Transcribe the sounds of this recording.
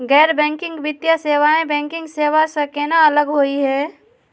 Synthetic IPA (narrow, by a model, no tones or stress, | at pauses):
ɡɛːɾbɛ̃ːŋkɪ̃ŋɡbɪt̪ːjaseːʋaːẽbɛ̃ːŋkɪ̃ŋɡseːʋasɐkenaɐləɡɦoːiɦɛː